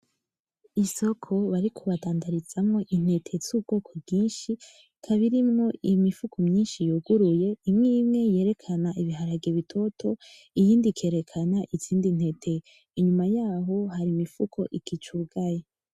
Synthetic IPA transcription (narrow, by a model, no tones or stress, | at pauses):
iso̞kʰo̞βaɾikʰuβadaːndaɾiz̥amŋo̞ʔin̥e̞tʰe̞zuːb̚ɡ̥o̞ːkʰo̞bɡiːnʃi | kʰaβiɾimŋo̞imifukʰo̞mɲiːnʃijoɡuɾuje̞imŋiːmŋe̞je̞ːɾe̞kʰanaʔiβiɦaɾaɡeβitʰo̞tʰo̞ | ijiːndikʰe̞ːɾe̞kʰanaʔiziːndin̥he̞tʰe̞ | iɲumajaːɦo̞haɾimifukʰo̞̰ʔikit͡ʃuːɡaje